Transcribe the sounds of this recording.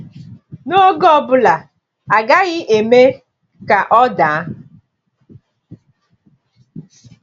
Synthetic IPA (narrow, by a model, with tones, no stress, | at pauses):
no˦ɡɔ˦bʊ˨la˨ | a˨ɡa˦ɣɪ˦ʔe˨me˦ | ka˨ʔɔ˦daː˨˦